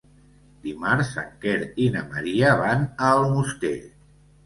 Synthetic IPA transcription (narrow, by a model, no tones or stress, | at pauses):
d̪imaɾsə̰ŋkeɾinəməɾiəβanəlˠmust̪eʎ